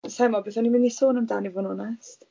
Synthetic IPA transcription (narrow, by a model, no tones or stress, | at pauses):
sajmɔbeːθanimɪndisoːnamdaːnivʊnɔnɛst